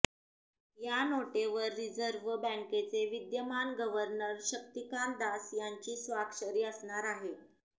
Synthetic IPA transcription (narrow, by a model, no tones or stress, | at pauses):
janoʈeʋəɾːid͡zəɾʋəbɛ̃ŋket͡seʋid̪jəmanɡəʋəɾnəɾɕək̚t̪ikand̪asjaɲt͡ɕiːsʋakʂəɾiːəsɳaɾaɦe